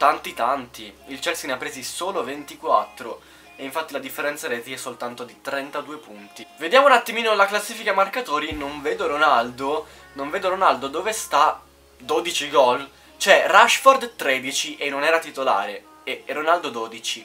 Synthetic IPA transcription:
t̪ant̪it̪ant̪iilt͡ʃɛlsineapːɾeːzisoːlovent̪ikwat̪ːɾo | eiɱfat̪ːilad̪ifːeɾɛnsaɾɛːt̪iɛsːolt̪ant̪od̪it̪ɾɛnt̪ad̪uːepunt̪ived̪jaːmounat̪ːimiːnolaklasːiːfikamarkat̪oːɾinoɱveːd̪oɾonald̪o | noɱveːd̪oɾonald̪od̪oːvest̪a | d̪oːd̪it͡ʃiɡɔl | t͡ʃoɛraʃfɔrd̪t̪ɾed̪it͡ʃiʔenːonɛːɾat̪it̪ola̰ːɾe | eronald̪od̪oːd̪it͡ʃi

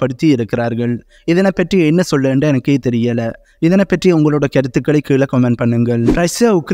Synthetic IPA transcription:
pːɐɽɯt̪ːiɪɾɯkːɪɾaːɾɣɐɭ | ɪðɐnɐpːɐʈrijɛnːɐsɔlːɐeɳɖaɛnɐkːeːt̪ɛɾɪjɐlɐ | ɪðɐnɐpɐʈrijɐʊŋɡɐɭoːɽɐkɐɾɯt̪ːɯkːɐɭɐɪkːiːɭɐkɔmɛɳ̚pɐɳːɯŋɡɐɭɾɐɪsɐʊkː

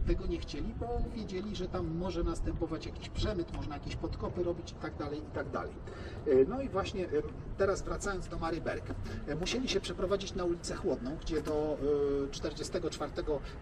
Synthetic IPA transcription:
t̪ɛɡɔɲɛxt͡ɕelʲibɔvʲjed͡ʑelʲiʐɛt̪amːɔʐɛnast̪ɛmpɔvat͡ɕjakʲiɕpʂɛmɘt̪mɔʐnajakʲiɕpɔt̪kɔpɘɾɔbʲit͡ɕit̪aɡ̚d̪alɛjit̪aɡd̪a̰lɛ̰j | nɔivwaɕɲɛ | t̪ɛɾazvɾat̪sajɔnzd̪ɔmaɾɘbɛ̰ɾkmuɕelʲiɕɛpʂɛpɾɔvad͡ʑit͡ɕnaulʲit̪sɛxwɔd̪̚nɔ̃w̃ɡd͡ʑɛd̪ɔt͡ʂt̪ɛɾd͡ʑɛst̪ɛɡɔt͡ʂfaɾt̪ɛɡɔ

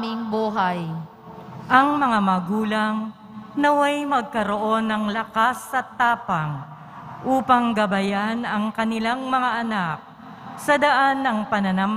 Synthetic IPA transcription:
mɪŋbuːɦaj | ʔɐŋmɐŋamɐɡuːlɐŋ | nɐwajmɐɡ̚kɐɾo̞ʔo̞nːɐŋlɐkasɐt̪ːaːpɐŋ | ʔuːpɐŋɡɐbɐjanɐŋkɐnɪlaŋmɐŋaʔɐnak̚ | sɐd̪ɐʔanːɐŋpɐnɐnam

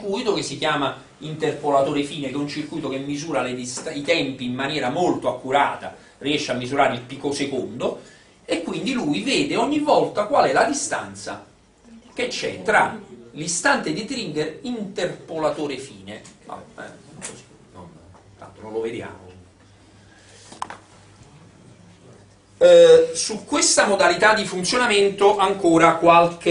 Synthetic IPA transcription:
kujt̪okesːik̟jaːma | int̪erpolat̪oːɾefiːnekɛunt͡ʃirkujt̪ok̟emːizuːɾaled̪ist̪ait̪ɛmpiːmːanjɛːɾamolt̪oakːuɾaːt̪a | riɛʃːeamːizuɾaːɾeilpikosekond̪o | ekːwind̪ilujvɛːd̪eɔɲːivːɔlt̪akwalɛlad̪ist̪a̰nt̪sa̰ | k̟et͡ʃːɛt̪ːɾa̰list̪ant̪ed̪it̪ɾiŋɡeɾint̪erpolat̪oːɾefiːnea̰ɛ̰kozi̥ | no̰n | t̪a̰nt̪onõloved̪ja̰ːmo | sukːwest̪amod̪alit̪ad̪ːifunt̪sjonament̪oʔaŋkoːɾakwalke

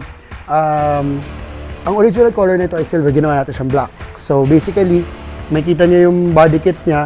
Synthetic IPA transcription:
ʔam | ʔɐŋoɾid͡ʒɪnɐlkoːlɛɹnɐʔɪt̪oɐjsɪlbɛɡɪnɐwaːnaːt̪ɪnʃɐɐŋblak̚sobejsɪkɐlimɐjkiːt̪̬ɐɲajʊŋbaːd̪ɪkɪt̪̚ɲa

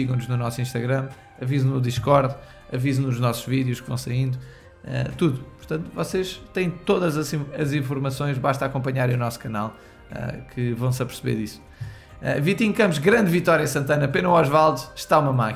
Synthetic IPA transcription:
siɣɐ̃w̃nuʒnunɔsĩʃt̪ɐɣɾɐ̃m | ɐvizɐ̃nuðiʃkɔɾð | ɐvizɐnuʒnɔsu̥ʒ̥viðjuʃkvɐ̰̃w̃sɐĩnd̪u | ɛ̰t̪uðupuɾt̪ɐ̃nt̪vɔseʃt̪ɐ̃j̃t̪oðɐzɐzĩɐzĩfuɾmɐsõj̃ʒbaʃt̪akõmpɐɲaɾẽunɔsu̥kɐnalˠ | ɛ̰kʰɨvɐ̃w̃sɐpɨɾsɨβḛɾðis | ɛ̰vit̪ĩkɐ̃mpuʃɣɾɐ̃nd̪vit̪ɔɾjɐsɐ̃nt̪ɐnɐpenuwɔʒvalˠd̪ʃʃt̪aumɐmak

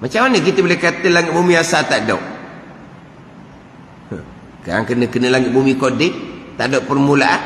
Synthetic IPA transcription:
mat͡ʃamanək̬it̪əbolɛkat̪əlaŋɪt̪̚bumiasat̪aʔdɔ̰wʔ | ə̰ | kaɾaŋkənəkənəlaŋɪt̪ʔ̪̚bumikodɪʔt̪aʔdɔwʔpərmulaʔan

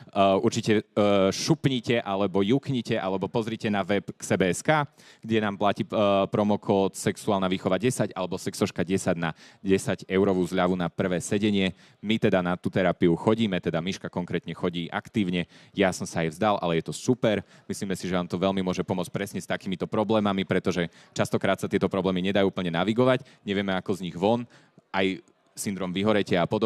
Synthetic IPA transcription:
uɾt͡ʃicɛʃupɲicɛʔalɛbɔjukɲicɛʔalɛbɔpɔzɾiːcɛnaʋɛpksɛbɛːɛskaː | ɡ̥ɟɛnaːmplaciːpɾɔmɔkʰɔt̪sɛksuaːlnaʋiːxɔʋaɟɛsaɟalɛbɔsɛksɔʃkaɟɛsaɟnaɟɛsaɟɛʊɾɔʋuːzʎaʋunapr̩ʋɛːsɛɟɛɲɪɛ | mit̪ɛd̪anat̪uːt̪ɛɾapiuxɔɟiːmɛt̪ɛd̪amiʃkakɔŋkɾɛːt̪ɲɛxɔɟiːʔa̰kt̪iːʊɲɛjasɔmsaːjvzd̪alʔa̰lɛjɛt̪ɔsupɛɾ | misliːmɛsiʒɛnaːmt̪ɔʋɛlmimʊɔʒɛpɔmʊɔt͡sc̚ʲpɾɛsɲɛst̪akiːmit̪ɔpɾɔblɛːmamipɾɛt̪ɔʒɛ | t͡ʃast̪ɔkɾaːt̪sat̪ɪɛt̪ɔpɾɔblɛːmiɲɛd̪ajuːpl̩ɲɛnaʋiɡɔʋaɟ | ɲɛʋɪɛmɛakɔzɲiɣʋɔn | ʔaj | sind̪ɾɔmʋiɦɔɾɛcɪɛapɔd̪ɔ

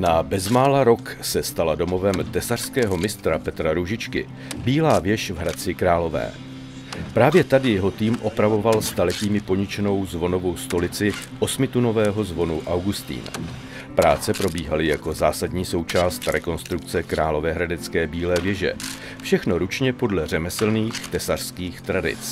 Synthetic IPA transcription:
nabɛzmaːlaɾo̞ksɛst̪alado̞mo̞vɛmt̪ɛsar̥skɛːɦo̞mɪst̪ɾapɛt̪ɾaɾuʒɪt͡ʃkɪ̰ | biːlaːvjɛʃvɦɾat͡sɪkɾaːlo̞vɛ̰ː | pɾaːvjɛt̪adɪjɛɦo̞t̪iːmʔo̞pɾavo̞valst̪alɛciːmɪpo̞ɲɪt͡ʃɛno̞wzvo̞no̞vo̞wst̪o̞lɪt͡sɪʔo̞smɪt̪uno̞vɛːɦo̞zvo̞nuʔawɡust̪ḭːna̰ | pɾaːt͡sɛpɾo̞biːɦalɪjako̞zaːsadɲiːso̞wt͡ʃaːst̪ɾɛko̞nst̪ɾuk̚t͡sɛkɾaːlo̞vɛːɦɾadɛt͡skɛːbiːlɛːvjɛʒɛ̰ | fʃɛxno̞ɾut͡ʃɲɛpo̞dlɛr̝ɛmɛsl̩niːxt̪ɛsar̥skiːxt̪ɾadɪ̰t͡s

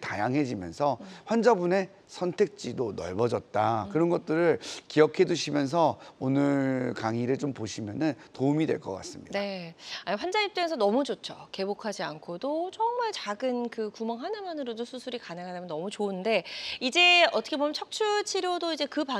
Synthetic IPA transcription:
tajaŋɦe̞d͡ʑimjʌ̰nsʰʌɸwand͡ʑabune̞ | sʰʌntʰe̞k̚t͡ɕ͈idonʌ̰ɭbʌd͡ʑʌt̚t͈akɯɾʌnɡʌt̚t͈ɯɾɯɭkiʌkʰe̞duɕʰimjʌns̬ʰʌonɯɭɭkaŋiɾɯɭt͡ɕompoɕʰimjʌnɯntoumidwe̞̰ɭk͈ʌk͈a̰s͈ɯmɲidnae̞aɸwand͡ʑaɲip̚t͈eesʰʌnʌmud͡ʑot͡ɕʰoke̞bokʰad͡ʑiankʰodot͡ɕʌŋmaɭt͡ɕaɡɯnkɯkumʌŋɦanɯmʌnɯɾodosʰusʰuɾikanɯŋɦadamjʌnʌmut͡ɕoɯnde̞id͡ʑe̞ʌt͈ʰʌkʰebot͡ɕʰʌk̚t͡ɕʰuɭt͡ɕʰiɾjodoid͡ʑe̞kɯpa

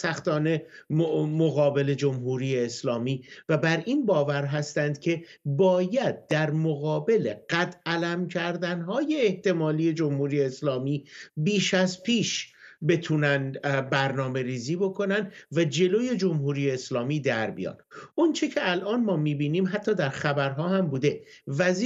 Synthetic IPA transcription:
sæxt̪ɒːne̞ | moɣɒːbe̞le̞d͡ʒomɦuːɾiːjeːslɒːmiːvæbæɾʔinbɒːvæɾɦæst̪ænd̪̥cʰe̞ | bɒːjæd̪̚ːæɾmoɣɒːbe̞leɢ̥æt̪ʰælæmcʰæɾd̪ænɦɒːje̞ːht̪e̞mɒːliːje̞d͡ʒo̞mhuːɾijeːslɒːmiːbiːʃæzpʰiːʃbe̞t̪ʰuːnænd̪bæɾnɒːme̞ɾiːziːbo̞kʰo̞nænd̪væd͡ʒe̞lo̞ːje̞d͡ʒo̞mhuːɾijeːslɒːmiːd̪æɾbḭjɒ̰ːnʔont͡ʃʰecʰeælʔɒːnmɒːmiːbiːniːmɦæt̪ʰːɒːd̪æɾxæbæɾɦɒːhæmbuːd̪e̞væz

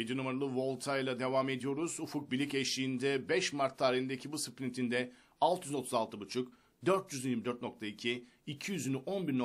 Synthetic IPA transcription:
jed̪inumaɾalˠɯvo̞lˠt̪ʰajlˠad̪e̞vaːme̞d̪ijo̞ɾuz̥ufuk̚bilʲicɛʃiːnd̪ɛbɛʃmaɾt̪ʰːaːɾiind̪ecʰibusɯplʲint̪ʰind̪ɛ | alˠt̪ʰjyzo̞t̪ʰuzalˠt̪ʰɯbut͡ʃʰuk | d̪øɾt̪jyzjiɾmid̪øɾt̪no̞k̚t̪ʰaicʰiː | cʰijyzynʔo̞nbiɾno

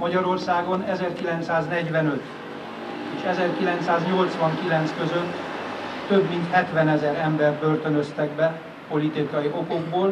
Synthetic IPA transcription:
mɒɟɒɾo̞rsaːɡo̞nɛzɛrkilɛnt̪saːznɛɟʋɛnøt̪ | eːʃɛzɛrkilɛnt̪saːzɲo̞lt̪sʋɒŋkilɛnt̪skøzøt̪ː | øbmint̪hɛt̪ʋɛnɛzɛɾɛmbɛrbørt̪ønøst̪ɛɡ̚bɛ | po̞lit̪ikɒjiʔo̞ko̞ɡboːl

